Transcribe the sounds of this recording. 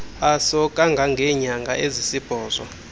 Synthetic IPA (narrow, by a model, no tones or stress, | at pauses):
asɔkʼaŋɡʱaŋɡʱɛɲaŋɡʱaʔezisib̥ʱɔːzɔ̰